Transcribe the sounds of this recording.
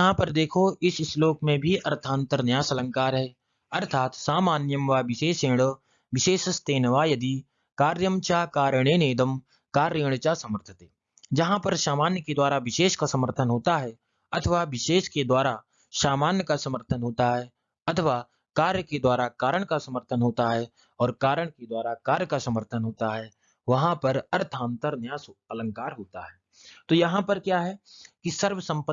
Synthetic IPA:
d͡ʒɦãpɐɾd̪eːkʰoɪsɪsloːkmẽbʱiɐɾt̪ʰaːnt̪əɾnjaːsɐlə̃ŋkaːɾɦɛː | ɐɾt̪ʰaːt̪saːmaːnjəmʋaːʋɪʃeːʃẽːɽ̃ | ʋɪʃeːʃst̪eːnʋaːjɐd̪i | kaːɾjəmt͡ʃakaːɾəɽ̃eːneːd̪əm | kaːɾeːɽ̃t͡ʃasɐməɾt̪ʰə̥t̪ɦeː | d͡ʒɐɦãpɐɾʃaːmaːnjəked̪waːɾaʋɪʃeːʃkasɐməɾt̪ʰənɦoːt̪aɦɛ | ɐt̪ʰəʋaʋɪʃeːʃked̪waːɾa | ʃaːmaːnjəkasɐməɾt̪ʰənɦoːt̪aɦɛː | ɐt̪ʰəʋaː | kaːɾjəked̪waːɾakaːɾəɽ̃kasɐməɾt̪ʰənɦoːt̪aɦɛ | ɔːɾkaːɾəɽ̃ked̪waːɾakaːɾjkasɐməɾt̪ʰənɦoːt̪aɦɛː | ʋɐɦãpɐɾɐɾt̪ʰãːnt̪əɾnjaːsɐlə̃ŋkaːɾɦoːt̪aɦɛː | t̪oːjɐɦãpɐɾkjaːɦɛkisɐɾʋəsɐ̃mpə

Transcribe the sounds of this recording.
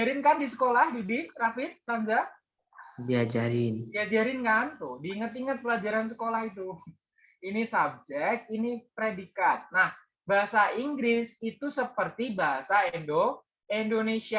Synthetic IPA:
aɾɪnkandisə̥kolahdidirafɪt̪̚sand͡ʒa | diad͡ʒaɾɪndiad͡ʒaɾɪnkant̪ʊhdiːŋət̪iŋət̪̚pəlad͡ʒaɾansəkolahit̪̬u | inisab̚d͡ʒɛk̚t̪̚inipɾedikat̪̚nah | baɦasaiŋɡɾɪsit̪usəpərt̪ibaɦasaedo | indonesia

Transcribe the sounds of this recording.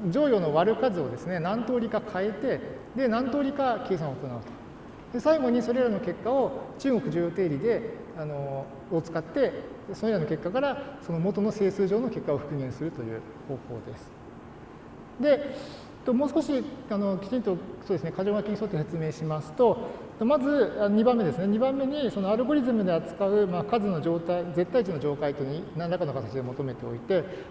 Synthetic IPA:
d͡ʑo̞ːjo̞ːno̞βaɾɯ̟kazɨo̞d̪e̞sɨne̞nãnt̪o̞ːɾʲikakʰae̞t̪e̞ | d̪e̞nãnt̪o̞ːɾʲikake̞ːsãɰ̃ot̪onaɯ̟t̪o̥ | d̪e̞saiɡo̞ɲ̟iso̞ɾe̞ɾano̞ke̞kːao̞t͡ɕɨːɡo̞kɯ̟ʑɨːjo̞ːt̪e̞ːɾʲid̪e̞ | ano̞ː | t͡sɨ̥kat̪ːe̞ | sonoiɾano̞ke̞kːakaɾaso̞no̞mo̞t̪o̞no̞se̞ːsɨːʑo̞ːno̞ke̞kːao̞ɸɯ̟̥kɯ̟ɡẽ̞ɰ̃sɨɾɯ̟t̪o̞jɯ̟̰ː | ho̞ːko̞ːd̪e̞sɨ̥ | d̪e̞ | t̪omo̞ːsɨ̥ko̞ɕiano̞kʲi̥t͡ɕĩnt̪osodesɨnekaʑo̞ːɡakʲiɲ̟iso̞t̪ːese̞t͡sɨme̞ːɕimasɨ̥t̪o̞ | t̪omazɨanoɲ̟ibãmːe̞d̪e̞sɨne̞ɲ̟ibãmːe̞ɲ̟iso̞no̞aɾɯ̟ɡo̞ɾʲizɨmɯ̟d̪e̞at͡sɨ̥kaɯ̟makazɨno̞d͡ʑo̞ːt̪aid͡ze̞t̪ːait͡ɕinod͡ʑo̞ːkait̪o̞ɲ̟inãnd̪akano̞kat̪at͡ɕid̪e̞mo̞t̪o̞me̞t̪e̞o̞it̪e̞

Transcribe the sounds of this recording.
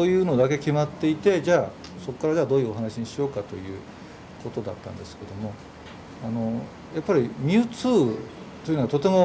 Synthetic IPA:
so̞ːjɯ̟ːno̞d̪ak̬e̞kʲimat̪ːe̞it̪e̞d͡ʑaːso̞kːaɾad͡ʑaːd̪o̞ːjɯ̟oɦanaɕiɲ̟iɕio̞ːkat̪o̞̰jɯ̟̰ː | ko̞t̪o̞d̪a̰t̪ːã̰nd̪e̞sɨ̥ke̞d̪o̞mo̞ | ano̞ | japːaɾʲimʲɨɯːt͡sɨː | t̪oiɯ̟noat̪o̞t̪e̞mo̞

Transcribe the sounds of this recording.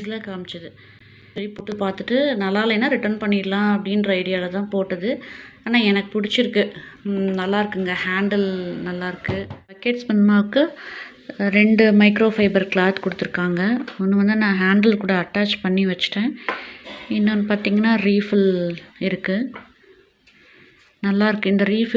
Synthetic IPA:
slaːkaːmɪt͡ʃːɐðɯ | sɐɾipʊʈːɯpaːɾt̪ɯʈːɯnɐlːaːlɐɛnːaːɾɪʈɐɾnpɐɳːiːɾlãːɐpːɐɽinɾɐɪɽɪjaːɪlɐt̪ãːpoːʈːɐðɯaːnãːɛnɐkːɯpʊɽɪt͡ʃːɪɾɯkːɯnɐlːaːɪɾɯkːɯŋɡɐhaːɳɖɐlnɐlːaːɪɾɯkːɯpɐkːeːʈspɐnːɯmaːʋɯkːɯ | ɾɛɳɖɯmɐɪkɾoːfɐɪbɐɾklaːt̪kɔɽɯt̪ːɯɾɯkːaːŋɡɐɔnːɯʋɐnd̪ɯnãːɦaːɳɖɐlkuːɽɐːʈːaːt͡ʃpɐɳːiʋɐt͡ʃːɯ̥ʈːẽː | ɪnːɐnpaːɾt̪iːŋɡɐnːaːɾiːfɪlɪɾɯkːɯ | nɐlːaːɪɾɯkːɯɪnd̪ɐɾiːf

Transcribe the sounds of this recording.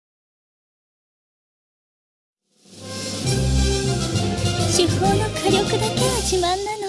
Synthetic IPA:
ɕihoːnokʰaɾʲokɯd̪akeʋaɕimãnːano

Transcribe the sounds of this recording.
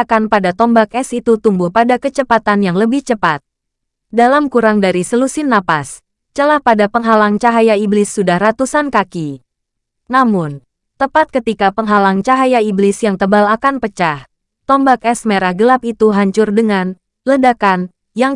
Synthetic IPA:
kanpadat̪ɔmbak̚ɛsit̪ut̪umbuhpadakət͡ʃəpat̪anjaŋləbɪht͡ʃəpat̪̚ | dalamkuɾaŋdaɾisəlusɪnːapas | t͡ʃəlahpadapəŋɦalaŋt͡ʃaɦajaiblɪsːudahrat̪usankaki | namʊn | t̪əpat̪̚kət̪ikapəŋɦalaŋt͡ʃaɦajaiblɪsjaŋt̪əbalakanpət͡ʃah | t̪ɔmbak̚ɛsmeɾahɡəlap̚it̪uɦaɲt͡ʃʊrdəŋan | lədakan | jaŋ

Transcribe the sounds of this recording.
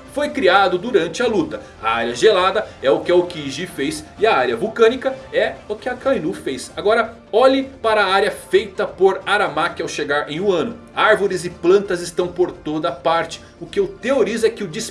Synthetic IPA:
fojkɾiad̪ʊd̪uɾɐ̃nt͡ʃɪɐlut̪ɐ | ɐ̰a̰ɾiɐʒelad̪ɐɛʊkɪɐʊkiʒifejsɪɐaɾjɐvuwkɐ̃nikɐɛʊkɪɐkajnufejsaɡɔɾɐ | ɔʎɪpaɾɐaɾjɐfejt̪ɐpoɾaɾamakɪawʃeɡaɾẽj̃ũɐ̃nʊaɾvoɾɪzɪplɐ̃nt̪ɐzɪst̪ɐ̃w̃poɾt̪od̪ɐpaɾt͡ʃɪ̥ | ʊkɪʊt̪eoɾizʊɛkɪʊd͡ʒis

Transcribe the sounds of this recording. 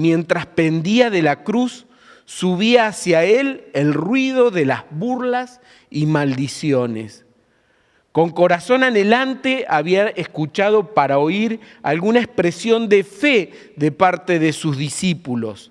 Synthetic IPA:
mje̞nt̪ɾaspe̞nd̪iaðe̞lakɾusː | uβiaːsjaelelrwiðo̞ðe̞lazβuɾlas | imald̪isjo̞nḛs | ko̞ŋko̞ɾaso̞nanelant̪e̞aβiaʔeskut͡ʃaðo̞paɾao̞iɾ | a̰lɣunaespɾesjo̞nd̪e̞fe | ðepaɾt̪eðesuzðisipulo̞̰s

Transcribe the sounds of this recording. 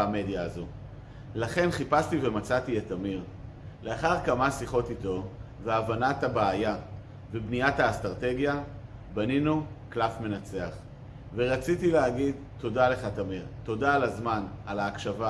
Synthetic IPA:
ame̞djaːzo̞ | laχe̞nχipastive̞mat͡satietamiʁ | le̞aχaʁkamasiχo̞tito̞veavanatabaːja | vebnijathaːstʁate̞ɡja | baninu | klafme̞nat͡se̞aχ | veʁat͡sitileaɡid | to̞dale̞χatamiʁto̞daːlazmanalaːkʃava

